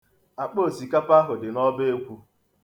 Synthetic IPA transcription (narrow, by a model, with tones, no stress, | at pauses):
a˨k͡po˦˨zi˨ka˦pa˦ɦʊ˨dɪ˨nɔ˦be˦e˦kʷu˦